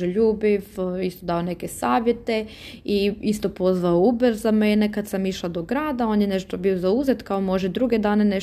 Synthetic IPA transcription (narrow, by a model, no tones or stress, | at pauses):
eʎuːbiʋist̪o̞d̪aone̞kesaːʋje̞t̪e̞ | iist̪o̞po̞zʋaoubeɾzamenekad̪samiʃlˠad̪o̞ɡɾaːd̪ao̞ːnjeneʃt̪obio̞zauzet̪kaomo̞ʒed̪ɾuɡe̞d̪aːne̞ne